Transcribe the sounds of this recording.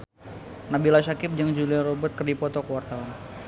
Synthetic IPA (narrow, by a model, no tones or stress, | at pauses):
nabilasakɪp̚d͡ʒaŋd͡ʒuliaɾɔbʊt̪̚kərdipɔt̪ɔkəwart̪awan